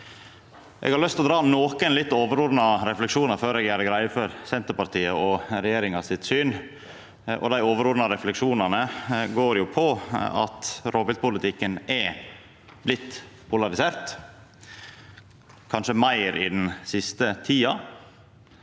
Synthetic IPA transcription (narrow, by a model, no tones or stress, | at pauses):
ʔɛ̰ɡhɑɾlœst̪ɔd̪ɾɑːnoːkənlɪt̪ːoːʋəɾʊːɾnɑɾɛflɛkʂuːnəɾføːɾɛːɡjæɾəɡɾæɪfɔɾsɛnt̪əɾpɑɾt̪ʰiːəɔɾɛjeːɾɪŋɑsɪt̪syːn | ʔɔ̰d̪æɪoːʋəɾʊːɾnɑɾɛflɛkʂuːnɑnəɡoːɾjʊpʰɔɑ̰t̪ɾobəlt̪pʊlət̪ɪkːənɛ | blɪt̪ːpʰʊlɑɾɪseːɾt̪ | kʰɑnʂəmæɪɾɪ̰d̪nsɪst̪ət̪ʰiːɑ